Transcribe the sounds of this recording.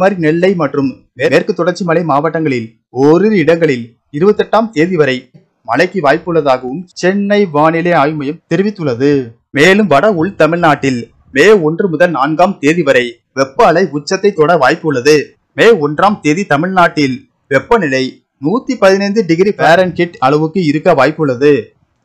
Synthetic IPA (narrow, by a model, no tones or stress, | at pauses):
maːɾrinɛɭːɐɪmɐʈrɯm | meːeːɾkɯt̪ːɔɽɐɾt͡ʃːimɐɭɐɪmaːʋɐʈːɐŋɡɐɭɪl | oːɾɪɾɪɽɐŋɡɐɭɪl | ɪɾɯbɐt̪ːɛʈːaːmt̪eːðɪʋɐɾɐɪ | mɐlɐɪkːiʋaːjpːɯɭːɐðaːɣɐʋɯmt͡ʃɛnːɐɪʋaːnɪleaːjmɐjɐmt̪ɛɾɪʋɪt̪ːɯɭːɐðɯ | meːlɯmʋɐɽɐʊɭt̪ɐmɪɭnaːʈːɪl | meːɔndrɯmʊðɐlnaːnɡaːmt̪eːðɪʋɐɾɐɪ | ʋɛpːɐːɭɐɪʊt͡ʃːɐt̪ːɐɪt̪ːoːɽɐʋaːjpːɯɭːɐðɯ | meːɔndraːmt̪eːðit̪ɐmɪɻnaːʈːɪl | ʋɛpːɐnɪlɐɪ | nuːt̪ːipɐðɪnɐɪnd̪ɯɖɪɣɪɾipaːɾɐnkɪʈɐɭɐʋɯkːɯɪɾɯkːɐʋaːjpːɯɭːɐðɯ